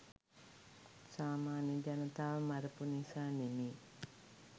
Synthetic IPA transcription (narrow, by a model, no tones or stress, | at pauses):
saːmaːnjəd͡ʒanət̪aːʋmaɾəpunisaːnemeː